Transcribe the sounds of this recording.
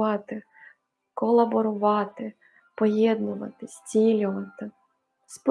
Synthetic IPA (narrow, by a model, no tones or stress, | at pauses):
ɑt̪ɪ | kɔlˠɐbɔɾʊʋɑt̪ɪ | pɔjɛd̪nʊʋɐ̰t̪ɪsʲt͡sʲilʲʊʋɐt̪ɪ | sp